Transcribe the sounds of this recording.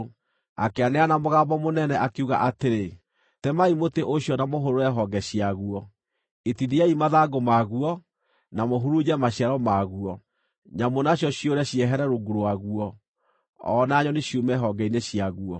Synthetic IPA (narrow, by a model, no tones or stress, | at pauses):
a̰keaneanamoɣambɔmonɛnɛʔakeuɣa̰ʔateɾe | tɛmaimoteʔoɕjɔnamoɦoɾoɛɦɔɡɛɕiaɣuɔ | etidiaimaðaɡomaɣuɔ | namoɦuɾud͡ʑɛmaɕiaɾɔmaɣuɔ | ɲamonaɕjɔɕioɾɛɕiɛɦɛɾɛɾoɡuɾoaɣuɔː | naɲɔneɕjumɛɦɔɡɛineɕijaɣuɔ